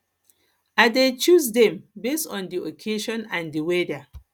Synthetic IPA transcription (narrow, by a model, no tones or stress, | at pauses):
adet͡ʃusdɛ̃mbestɔ̃ndiokʰeʃɔ̃nãndiweda